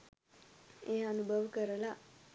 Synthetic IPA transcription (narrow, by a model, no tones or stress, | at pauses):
eɦaːnubʱəʋəkəɾəla